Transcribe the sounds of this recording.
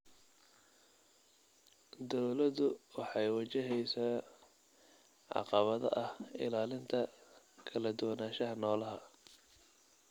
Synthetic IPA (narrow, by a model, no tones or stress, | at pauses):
d̪ɔwlɐðʊwɑħɑjwɑt͡ʃɪɦɛjsaː | ʕɑ̰qɑβɐðɐ̰ʔɐhɪ̰laːlɪnt̪ʰɐ | kʰɐlɐd̪ʊwɐnaːʃɐɦɐnɔːlɐɦɐ